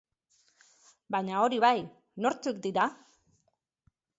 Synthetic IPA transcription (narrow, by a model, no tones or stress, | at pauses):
baɲao̞ɾiβaj | no̞ɾt͡suk̚d̪iɾa